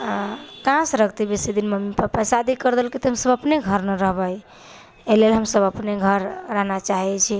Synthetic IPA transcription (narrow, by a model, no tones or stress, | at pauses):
kãsɾək̚ʰt̪ibesid̪inməmipəpasad̪ikəɾd̪elkit̪ɔɦəmsəbəpneɡʱəɾnəɾəɦbəj | elelɦəmsəbəpneɡʱəɾːaɦnat͡ʃaɦɛt͡ʃʰi